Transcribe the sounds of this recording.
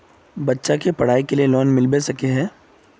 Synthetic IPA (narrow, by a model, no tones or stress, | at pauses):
bɐtːʃakepɐɽ̤aːikelielɔːnmɪlbesɐkeɦɛː